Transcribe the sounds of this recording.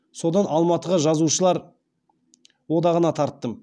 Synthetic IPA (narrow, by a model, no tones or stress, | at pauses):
so̞d̪ɑnʔɑlˠmɑt̪əʁɑʒɑzuʃəlˠɑɾ | wo̞d̪ɑʁənɑt̪ʰɑɾt̪ːəm